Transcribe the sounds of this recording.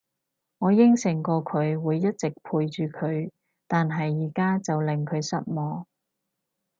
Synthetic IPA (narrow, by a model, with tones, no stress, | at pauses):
ŋɔː˨˧jɪ˥ŋsɪ˨˩ŋkɔː˧kʰɵ˨˧ɥwuː˨˧jːɐ˥t̚t͡sɪ˨k̚pʰuː˧jt͡ʃyː˨kʰɵ˨˧ɥ | t̪aː˨nɦɐ˨jːiː˨˩kaː˥t͡sɐ˨wlɪ˨˩ŋkʰɵ˨˧ɥsɐ̰˦˥t̚mɔː˨˧